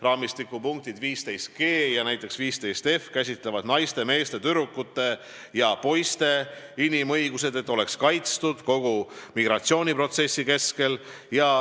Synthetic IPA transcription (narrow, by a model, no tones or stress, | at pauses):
rɑːmist̪ikːˑupuŋk̚t̪id̪viːst̪e̞jst̪̚ke̞ːjɑnæjt̪ːˑe̞ksviːst̪e̞jst̪e̞fkæs̬ʲit̪ˑlevɑd̪̥nɑjst̪e̞me̞ːst̪e̞t̪yɾukːˑut̪ːˑe̞ | jɑpo̞jst̪e̞inimɤjɡ̥use̞d̪̥e̞t̪ːˑo̞le̞kskɑjt̪st̪ud̪̥ko̞ɡ̥umiɡ̥ɾɑt̪sio̞ːnʲipro̞t̪se̞sʲːike̞ske̞l | jɑ